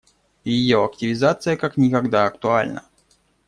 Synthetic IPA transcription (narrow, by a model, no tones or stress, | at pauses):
jɪjoɐktʲɪvʲɪzat̪sɨjəkaknʲɪkɐɡd̪aɐkt̪ʊalʲnə̰